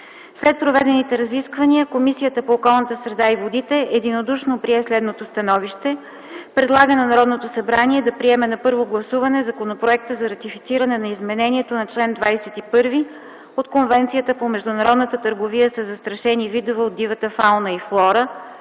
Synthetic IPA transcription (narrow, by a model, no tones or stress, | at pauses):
slɛt̪̚pɾovɛd̪ɛnit̪ɛɾɐziskvəniəkomisijət̪əpoːkɔlˠnət̪əsɾɛd̪aivod̪it̪ɛʔɛd̪inod̪uʃnopɾiɛslɛd̪not̪ost̪ɐnɔviʃt̪ɛ | pɾɛd̪lˠaɡənɐnɐɾɔd̪not̪osɐbɾaniɛd̪ɐpɾiɛmɛnɐpɤɾvoɡlˠɐsuvɐnɛzɐkonopɾoɛk̚t̪əzɐɾɐt̪ifit̪siɾɐnɛnɐizmɛnɛnʲiɛt̪onɐt͡ʃlɛnd̪vajsɛt̪ipɤɾvi | ot̪konvɛnt̪sijət̪əpomɛʒd̪ʊnɐɾɔd̪nət̪ət̪əɾɡovijəsɐzɐst̪ɾɐʃɛnivid̪ovɛod̪ːivət̪əfalˠnəiflˠɔɾə